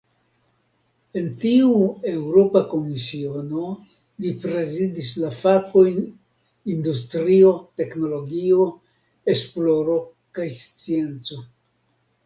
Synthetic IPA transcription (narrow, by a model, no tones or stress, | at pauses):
e̞ntiue̞wɾo̞pako̞misio̞no̞ | lipɾe̞zidislafako̞jn | industɾio̞te̞kno̞lo̞ɡio̞ | e̞splo̞ɾo̞ | kajst͡sie̞nt͡so̞